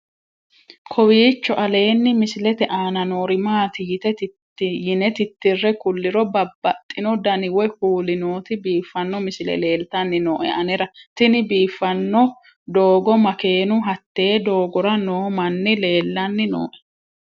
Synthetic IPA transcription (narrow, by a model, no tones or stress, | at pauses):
kʰɔwiːt͡ʃːɔʔɐle̞ːnːɪmɪsɪlɛt̪ɛʔaːnɐnoːɾɪmaːt̪ijɪt̪ɛt̪ɪt̪ːɪjɪnɛt̪ɪt̪ːɪrːɛkʊlːɪɾɔbɐbːɐt̪ʼːɪnɔd̪ɐnɪwɔhuːlɪno̞ːt̪ɪbiːfːɐnːɔmɪsɪlɛ̰le̞ːlt̪ɐnːɪno̰ːʔɛ̰ɐnɛɾɐt̪ɪnɪbiːfːɐnːɔ | d̪oːɡɔmɐke̞ːnʊɦɐt̪ːe̞ːd̪o̞ːɡɔɾɐnoːmɐnːɪle̞ːlːɐnːɪno̰ːʔɛ̥